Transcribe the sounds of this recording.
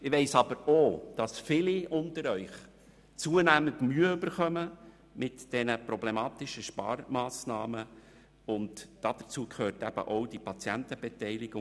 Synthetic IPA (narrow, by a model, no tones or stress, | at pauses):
ɪʋɛɪsɑbəɾod̥ɑsfɪliʔʊnt̪əɾœʏχ | t͡suənæːməndmyːəʉbəɾχœmə | mɪtd̥ɛnəpɾɔblemɑːtɪʃəʃpɑ̰ːɾmɑːsnɑːmə | ʊndd̥ɑd̪̥ət͡suəkχøːrtæb̥ə̰ʔoʊd̥ipɑt͡sjænt̪əbɛtɛɪlɪɡ̥ʊ